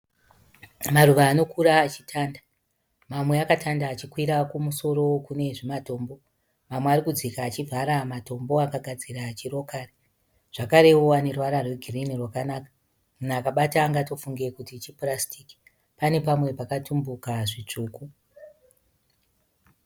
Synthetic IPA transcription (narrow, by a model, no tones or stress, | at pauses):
maruʋaːno̞kuɾaːt͡ʃi̥tʰaːnda | mamwe̞akatʰandaːt͡ʃikwiɾakumuso̞ɾo̞wokune̞ʐimato̞ːmbo̞ | mamweaɾikud͡zikaːt͡ʃivʱaɾamato̞mbo̞akaɡʱad͡ziɾat͡ʃiɾo̞kaːre | ʐ̥akaɾe̞owane̞rwaɾarweɡʱirinirwakanaːkḁ | naːkaɓataːŋɡato̞fuŋɡe̞kutit͡ʃiprastʰiki̥ | pane̞pamwe̞pakatʰumbukaʐit͡ʂuːku